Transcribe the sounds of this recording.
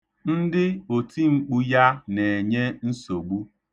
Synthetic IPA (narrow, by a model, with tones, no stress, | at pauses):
n̩˦dɪ˦o˨tʰi˦ŋ͡m̩˦k͡pu˦ja˦ne˨e˨ɲe˦n̩˦so˨ɡ͡bu˦